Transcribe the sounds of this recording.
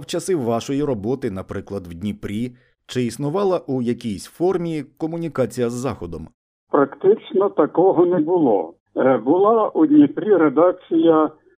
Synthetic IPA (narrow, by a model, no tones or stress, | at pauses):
wt͡ʃɐsɪwːɑʃɔjiɾɔbɔt̪ɪnɐpɾɪklˠɐd̪wdʲnʲipɾʲi | t͡ʃɪisnʊʋɑlˠɐʔujɐkʲijsʲfɔrmʲikɔmʊnʲikɑt͡sʲijɐzːɑxɔd̪ɔm | pɾɐkt̪ɪt͡ʃnɔt̪ɐkɔɦɔnɛbʊlˠɔ̰ | bʊlˠɑʔud̪ʲnʲipɾʲiɾed̪ɑk̚t͡sʲijɐ